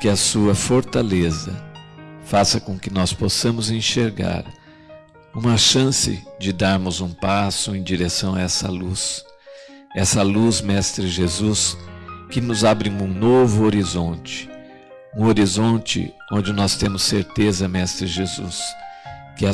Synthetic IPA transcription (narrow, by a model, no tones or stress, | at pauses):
kɪɐsuɐfoɾt̪alezɐ̰ | fasɐkõkɪnɔsposɐ̃mʊzẽʃeɾɡa̰ɾ | ũmɐʃɐ̃sɪ̰d͡ʒɪd̪aɾmʊzũpasʊẽj̃d͡ʒiɾesɐ̃w̃ɐɛsɐ̰lus | ɛsɐluzmɛst̪ɾɪʒezuskɪnʊzabɾɪ̃ũnovʊoɾizõnt͡ʃɪ̥ | ũoɾizõnt͡ʃɪ̰ | õnd͡ʒɪnɔst̪ẽmʊseɾt̪ezɐmɛst̪ɾɪʒezṵs | kɪɐ